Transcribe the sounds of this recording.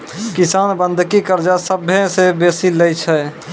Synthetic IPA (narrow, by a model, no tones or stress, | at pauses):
kɪsaːnbə̃nd̪ʱkikəɾd͡ʒasəbɦẽsebeːsiləjt͡ʃʰɛ